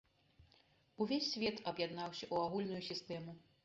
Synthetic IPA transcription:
uvʲesʲːvʲɛt̪ɐbjad̪nawsʲɐʔuaɣulʲnujusʲist̪ɛmu

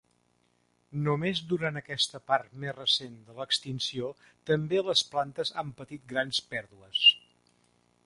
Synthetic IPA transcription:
numezd̪uɾanəkɛst̪əpaɾt̪mezrəsend̪ələkst̪insio | t̪əmbeləsplant̪əzampət̪it̪̚ɡɾanspɛɾðuəs

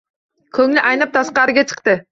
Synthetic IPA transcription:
kʲʰɵŋlɪʔɑjnɨp̚t̪ʰɑsqɑɾɪɡʲɛt͡ʃʰə̥qt̪ɨ

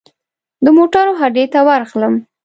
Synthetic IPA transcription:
d̪əmoʈɑɾoɦaɖet̪awaɾxləm

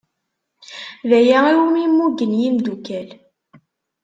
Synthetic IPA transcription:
ðæjæiwmimːuɡənjimd̪ukæl

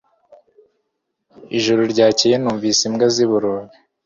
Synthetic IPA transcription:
iʒuɾoɾɟaːcijenuːɱvisimɡaziβuɾoːβi

